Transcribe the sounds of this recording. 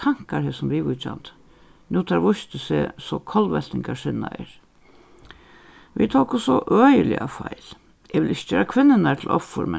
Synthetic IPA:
aŋ̥kaɾhɛsɔmɾiʋʊt͡ʃa̰nt̪ | nʉːt̪ʰaɾʋʊʃt̪əsesɔkʰɔlʋɛlt̪ɪŋkaʂɪnːaɛɹ | ʋḭt̪ʰɔːkʊsɔʔøːjəlɪ̰afɑɪl | ɛʋɪlɪç̥t͡ʃøːɾakʰʋɪnːənaɾt̪ʰɪlʔɔfːʊɾmɛ

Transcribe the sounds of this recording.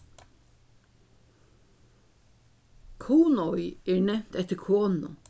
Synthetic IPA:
kʰuːnɔjɛːɹnɛm̥t̪ɛht̪ɪɾkʰoːnʊ̰

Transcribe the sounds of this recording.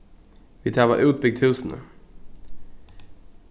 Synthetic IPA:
vɪt̪ʰæːva̰ɾʔʉ̟ːt̪̚bɪɡ̚t̪ʰhʉ̟ːsənə̰

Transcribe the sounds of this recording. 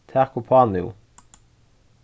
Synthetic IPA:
t̪ʰæʁkʊpʰɑːnɪʊ̰

